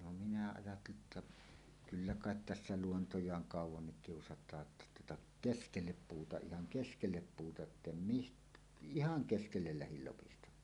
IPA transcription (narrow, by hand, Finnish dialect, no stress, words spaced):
no minæ ɑjɑtːeli etːæ kylːæ kɑˑet tæsːæ luontojˑɑːŋ kɑˑuwˑɑnːik kiusɑtˑɑː tːɑ tuotɑ keskelːep puːtɑ ihɑŋ keskelːep puːtɑ etːem mist ihɑŋ keskelːel læhil lopistɑmˑɑː